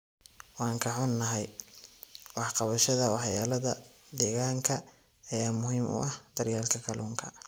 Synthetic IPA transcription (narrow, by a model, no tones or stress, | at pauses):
wɑːŋkʰɐħʊnːɐɦɛj | wɑħqɑβɐʃɐðɐwɑħjaːlɐðɐd̪ɛːɣaːŋkʰɐː | jaːmʊhiːmʔʊ̰ʔɐhd̪̥ɐrjaːlkʰɐkʰɐluːŋkʰɐ